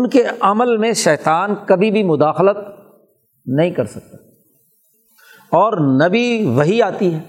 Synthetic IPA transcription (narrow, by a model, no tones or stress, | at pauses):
ʊnkeʔɐməlmẽʃɛːt̪aːnkɐbʱibʱimʊd̪aːxlət̪ | nɐɦĩkɐɾsɐk̚t̪ḁ | ɔːɾnɐbiʋɐɦiaːt̪iɦɛː